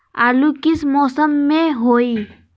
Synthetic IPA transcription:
aːlukɪsmɔːsəmːẽɦoːi

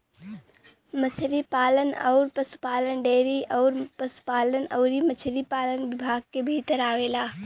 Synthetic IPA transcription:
mət͡ʃʰɾipaːlənɔ̰ːɾpəsu̥paːlənɖeːɾiɔːɾpəsu̥paːlənəʊɾimət͡ʃʰɾipaːlənʋɪbʱaːɡ̚kebʱiːt̪əɾaːʋeːlaː

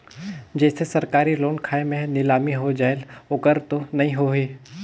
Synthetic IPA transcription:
d͡ʒɛːsesɐɾkaːɾiloːnkʰaːemẽnɪlaːmiɦod͡ʒaːelʊkəɾt̪onɐɦĩɦoɦeː

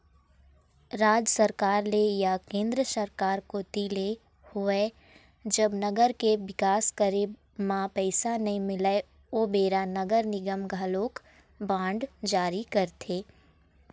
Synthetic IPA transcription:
ɾaːd͡ʒsəɾkaːɾlejakẽːnd̪ɾəsəɾkaːɾkot̪iːle | hoe | d͡ʒɐbnɐɡəɾkeʋɪkaːskəɾe | mãpɛɪsanɐɦĩmɪlae | oːbeːɾanɐɡəɾnɪɡəmɡʱaloːk | bãːɳɖd͡ʒaːɾikɐɾt̪ʰeː

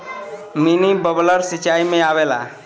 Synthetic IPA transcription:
minibəbləɾsit͡ʃajmẽawela̰

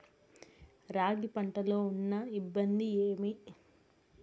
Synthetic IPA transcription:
ɾaːɡipɐɳʈɐlo̞ːunːɐibːɐnd̪ieːmi

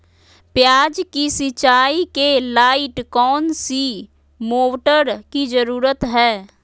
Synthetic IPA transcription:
pjaːd͡ʒkisɪt͡ʃaːikelaːɪʈkɔːnsi | moːʈəɾkid͡ʒəɾuːɾət̪ɦɛː

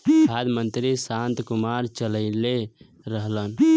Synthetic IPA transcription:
bʱad̪mənt̪ɾisant̪kumaɾt͡ʃələɪle | ɾəɦlən

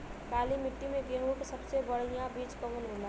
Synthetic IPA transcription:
kaːlimɪʈːimẽɡeːŋɽuksəbsebəɽ̤ijãbiːt͡ʃkəʋənɾola

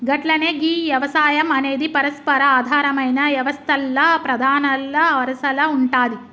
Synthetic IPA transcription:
ɡɐʈlɐneːɡiʋjɐʋɐsaːjɐmɐneːd̪ipɐɾɐspɐɾɐaːd̪ʱaːɾɐmɐjnɐʋjɐʋɐst̪ʰɐlːɐpɾɐd̪ʱaːnɐlːɐʋɐɾɐsɐlɐuɳʈaːd̪i

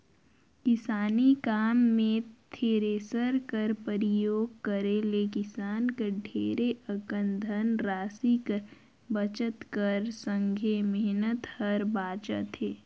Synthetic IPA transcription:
kɪsaːnikaːmːẽt̪ʰeːɾeːsəɾkəɾpəɾɪjoːɡ̚kəɾelekɪsaːnkeɖʱeːɾeʔəkə̃nd̪ʱənɾaːsikə | bət͡ʃət̪kəɾsə̃ŋɡʱemɛɦnət̪həɾbaːt͡ʃə̰t̪eː

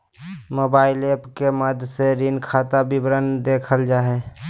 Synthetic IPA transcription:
moːbaːɪleːpkeməd̪ʱseɾinkʰaːt̪abɪbɾənd̪eːkʰəld͡ʒaːɦe

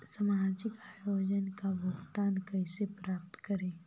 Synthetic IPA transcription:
səmɾaːd͡ʒɪkaːjoːd͡ʒənkaʋʊkt̪aːnkəɦsepɾaːp̚t̪kəɾẽː

